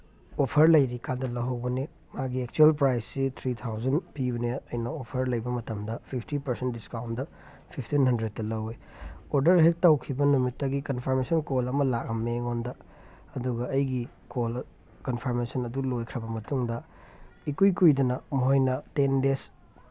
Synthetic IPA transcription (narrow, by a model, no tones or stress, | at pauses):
opʰɐɾlɐjɾikandɐlɐwɦɐwbɐne | maɡiek̚t͡ʃuelpɾajsːit̪ʰɾit̪ʰawzɐnpibɐneɐjnɐopʰɐɾlɐjbɐmɐtɐmdɐpʰipʰtipɐɾsentdiskawndɐ | pʰipʰtinhɐndɾed̚tːɐlɐwej | oɾdɐɾɦek̚tawkʰibɐnumitːɐɡikɐnpʰɐɾmesɐnkolɐmɐlak̚ɐmːeŋondɐ | ɐduɡɐɐjɡi | kol | kɐnpʰɐɾmesɐnɐdulojkʰɾɐbɐmɐtuŋdɐ | ikujkujdɐnɐmuɦojnɐtendes